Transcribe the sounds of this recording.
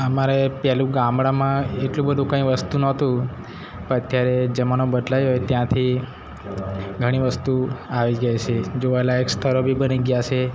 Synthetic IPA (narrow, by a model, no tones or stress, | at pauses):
əmaɾepɛlũɡãmbɽãmãeʈlũbəd̪ʱũkə̃ĩʋəst̪unɔt̪ũ | pə̃ət̪jaɾed͡ʒəmanobəd̪lajɦojt̪jãt̪ʰi | ɡʱəɽ̃iʋəst̪uaʋiɡəjt͡ʃʰed͡ʒoʋaelaekst̪ʰəɾobʱibəniɡjat͡ʃʰe